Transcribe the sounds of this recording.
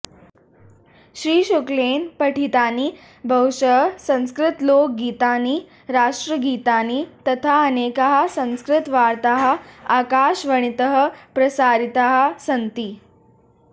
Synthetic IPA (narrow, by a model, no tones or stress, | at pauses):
ɕɾiːɕoklenpəʈʰit̪aniː | bʱəɦuɕəɦsə̃w̃skɾɪt̪lok̚ɡiːt̪aniː | ɾaʂʈɾəɡiːt̪aniːt̪ət̪ʰaənekaɦasə̃w̃skɾɪt̪ʋaɾt̪aɦəakaɕʋəɳ̃it̪əɦəpɾəsaɾit̪aɦasənt̪iː